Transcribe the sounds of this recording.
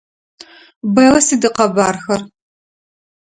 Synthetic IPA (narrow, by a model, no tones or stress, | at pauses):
bɐjʁɐsiːdɨqɐbaːrxɐr